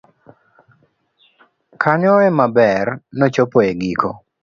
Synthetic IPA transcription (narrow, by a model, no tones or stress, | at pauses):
kʰaɲɔɛmabɛrnɔt͡ʃopɔeɡikʰo̰